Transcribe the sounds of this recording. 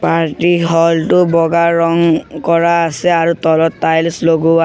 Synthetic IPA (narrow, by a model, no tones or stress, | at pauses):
paɹtiɦɔltʊbɔɡaɹɔŋkɔɹaːsɛaɹutɔlɔtːajlsloɡua